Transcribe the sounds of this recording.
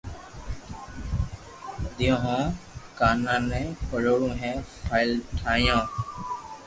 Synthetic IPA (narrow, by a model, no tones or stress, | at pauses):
d̪ɪjõːɦõːkaːnãːnɛ̃ːpəɽoːɽũːɦɛ̃ːpʰaːɪlʈʰaːjõː